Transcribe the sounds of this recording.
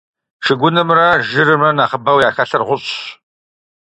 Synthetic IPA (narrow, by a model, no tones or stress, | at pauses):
ʂɨɡʷʊnɨmrɐʒɨɾɨmɐnaːχəbɐwjaːxɐɬɐrʁʷʊɕʼ